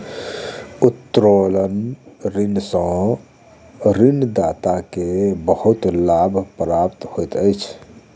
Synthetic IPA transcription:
ut̪ːɾolənɾinsə̃ | ɾind̪at̪akebəhut̪labʱpɾapt̪hojt̪əjt͡ʃʰ

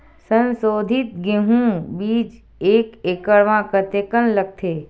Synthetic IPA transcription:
sə̃nsod̪ʱit̪̚ɡeɦũbiːd͡ʒ | ekekəɭʋãkət̪ekənlək̚t̪ʰe

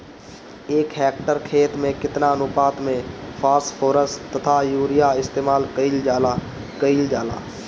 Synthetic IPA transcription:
eːkɦɛːk̚ʈəɾkʰeːt̪mẽkɪt̪naənʊpaːt̪mẽpʰaːsʈpʰoːɾəsʈt̪ːət̪ʰajuːɾɪjaɪst̪eːmaːlkəild͡ʒaːla | kəild͡ʒaːla̰ː

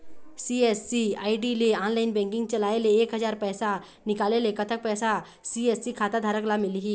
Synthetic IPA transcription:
siesːiaiɖileanlajinbɛ̃ŋkĩŋɡ̚t͡ɕəlaeleːkɦəd͡zaɾpəjsa | nikalelekət̪ʰək̚pəjsa | siesːikʰat̪ad̪ʱaɾəklamiliɦi

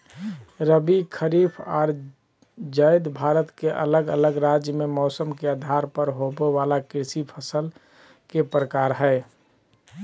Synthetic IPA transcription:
ɾəbikʰəɾiːpʰɔːɾ | d͡ʒəɪd̪bʱaːɾət̪keʔə̰ləɡə̰ləɡɾad͡ʒjəmemɔːsəmkeəd̪ʱaɾpəɾɦobeʋaːlakɾɪsipʰəsəl | kepɾəkaːɾɦɛː

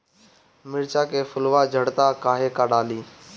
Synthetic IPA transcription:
mɪɾt͡ʃaːkeːfʊlʋaːd͡ʒʱəɽt̪aːkaːɦeːkaːɗaːliː

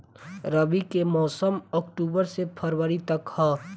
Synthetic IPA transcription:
ɾəbikemɔːsəmɔːkʈuːbəɾsepʰəɾwəɾit̪ɐkhɛː

